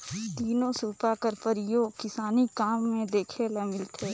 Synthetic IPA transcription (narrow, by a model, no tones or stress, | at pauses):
d̪iːnõsuːpakəɾpəɾɪjoːɡkɪsaːnikaːmːẽd̪eːkʰelɐmɪlt̪ʰeː